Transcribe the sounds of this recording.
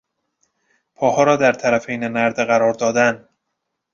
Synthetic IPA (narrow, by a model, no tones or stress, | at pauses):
pʰɒːhɒːɾɒːd̪æɾt̪ʰæɾæfejnenæɾd̪eɣæɾɒːɾd̪ɒːd̪æn